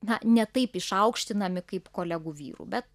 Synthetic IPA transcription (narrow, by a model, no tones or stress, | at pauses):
nɐnʲɛt̪ɐɪpɪʃɐʊkʃʲt̪ʲɪnɐmʲɪkɐɪpkoːlʲæɡuːʋʲḭːɾṵːbʲɛt̪̚